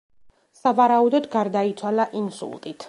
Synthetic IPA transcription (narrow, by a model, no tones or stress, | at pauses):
savaɾaud̪ɔd̪ɡaɾd̪ait̪sʰwalaʔinsṵlˠt̪ʼit̪ʰ